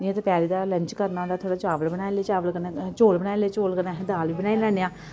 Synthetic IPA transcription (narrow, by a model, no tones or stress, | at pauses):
ɪãt̪epjaːɾiːd̪aːləɲt͡ʃkəɾnãːd̪aːt̪ʰoːɽaːt͡ʃaːʋəlbənaːjleːt͡ʃaːʋəlkənet͡ʃoːlbəɽ̃aːeleːt͡ʃoːlkəɾnãːɦd̪aːlʋiːbənaːilɛːneːãː